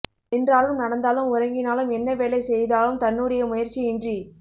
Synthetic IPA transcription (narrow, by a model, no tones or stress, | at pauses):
ɪndraːlɯmnɐɽɐnd̪aːlɯmʊɾɐŋɡɪnaːlɯmɛnːɐʋeːlɐɪsɛjðaːlɯmt̪ɐnːuːɽɐjɐmʊjɐɾt͡ʃːiɪndri